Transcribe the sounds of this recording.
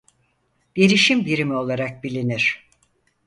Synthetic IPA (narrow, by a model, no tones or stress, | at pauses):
d̪̥eɾiʃimbiɾimio̞lˠaɾak̚bilʲiniɾ̥